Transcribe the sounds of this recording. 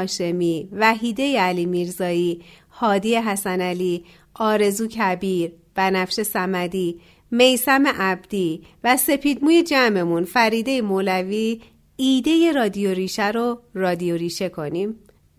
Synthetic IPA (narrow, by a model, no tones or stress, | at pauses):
ʃe̞miːvæɦiːd̪e̞jeæliːmiːɾzɒːiː | hɒːd̪iːjeɦæsænæliː | ʔɒːɾe̞zuːcʰæbiːɾ | b̥ænæfʃe̞sæmæd̪iː | me̞jsæme̞ʔæbd̪̥iːvæse̞pʰiːd̪muːje̞d͡ʒæme̞munfæɾiːd̪e̞jemolæviː | d̪e̞je̞ɾɒːd̪ijo̞ɾiːʃæɾo̞rɒːd̪ijo̞ɾiːʃe̞kʰo̞niːm